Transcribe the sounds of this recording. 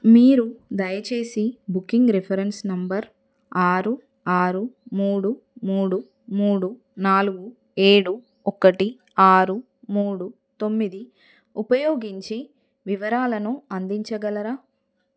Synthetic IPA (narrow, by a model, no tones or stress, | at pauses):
miːɾud̪ɐjɐt͡ʃe̞ːsibukːiŋɡɾipʰɐɾensnɐmbɐɾ | aːɾu | aːɾumuːɽumuːɽu | muːɽu | naːluɡu | e̞ːɽu | ɔkːɐʈi | aːɾu | muːɽu | t̪o̞mːid̪i | upɐjoːɡiɲt͡ʃi | ʋiʋɐɾaːlɐnuɐnd̪iɲt͡ʃɐɡɐlɐɾaː